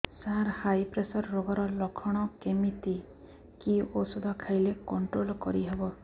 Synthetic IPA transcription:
saɾhajpɾesɔɾːoɡɔɾɔlɔkʰɔɽ̃ɔkemit̪i | kiosud̪ʱɔkʰajlekɔɳʈɾolkɔɾiɦebɔ

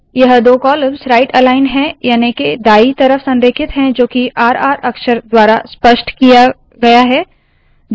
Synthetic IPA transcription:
jɐɦd̪oːkɔːləmsɾaːɪʈɛlaːɪnɦɛ̃jaːneked̪aːit̪ɐɾəfsɐ̃nɾɪkʰɪt̪ɦɛ̃d͡ʒoːkiʔaːɾaːɾɐkʃəɾd̪waːɾaspəʃʈkija | ɡɐjaɦɛː

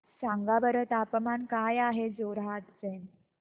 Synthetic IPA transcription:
sãŋɡabəɾət̪apmankajaɦed͡zoɾɦat̪d͡zen

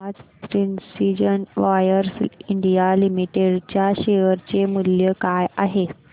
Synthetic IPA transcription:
ad͡zpɾinsid͡ʑənʋajəɾsiɳɖijalimiʈeɽt͡ɕjaɕeəɾt͡ɕemuljəkajaɦe

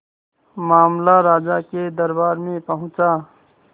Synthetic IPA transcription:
maːmlaɾaːd͡ʒaked̪əɾbaːɾmẽpəɦʊ̃t͡ʃa

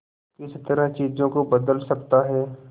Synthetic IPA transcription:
kɪst̪ɐɾət͡ʃiːzõkobɐd̪əlsɐkt̪aɦɛː

